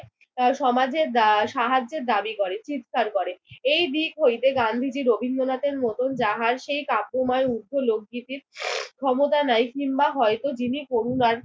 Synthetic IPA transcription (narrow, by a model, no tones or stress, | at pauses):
ʃɔmad͡ʑeɾd̪ʃaɦad͡ʑːeɾd̪abikoɾet͡ɕit̪kaɾkoɾeejd̪ikɦojt̪eɡand̪ʱid͡ʑiɾobʱinːonat̪eɾmot̪ond͡ʑaɦaɾʃejkapɾomaeud̪ʱːolok̚ɡit̪iɾkʰɔmot̪anajkimbaɦɔet̪od͡ʑinikoɾunaɾ